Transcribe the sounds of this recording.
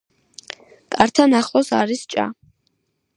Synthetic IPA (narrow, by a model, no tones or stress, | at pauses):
kʼaɾt̪ʰanaχlˠɔsa̰ɾist͡ʃʼa̰